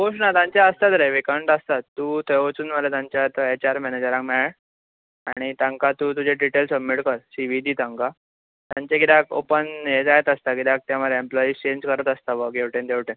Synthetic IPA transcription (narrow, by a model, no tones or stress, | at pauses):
ɦoʂnat̪ãɲt͡ɕjaəst̪at̪ɾeʋikaɳʈəst̪at̪ːuːt̪ʰəʋot͡suːnməlat̪ãɲt͡ɕjat̪əet͡ɕaɾmɛned͡ʑəɾãŋkmeɭaɭ | a̰ɽ̃it̪ãŋkat̪ut̪ud͡ʑeɖiʈelsəbmiʈkəɾsiʋid̪iːt̪ãŋka | t̪jãɲt͡ɕeɡiɾako̰pənɦed͡zaɦet̪əst̪aɡid̪ak̚t̪jaməɾemplɔiːst͡ɕẽɲd͡ʑkəɾət̪əst̪aʋəɡeʋʈend̪eʋʈẽn